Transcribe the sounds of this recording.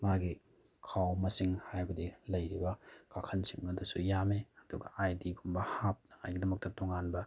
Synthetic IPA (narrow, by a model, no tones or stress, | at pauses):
maɡi | kʰawmɐsiŋhajbɐdilɐjɾibɐkʰakʰɐnsimŋɐdusujameɐduɡɐ̰ʔajdiɡumbɐhap̚nɐŋa̰jɡidɐmɐk̚tɐtoŋanbɐ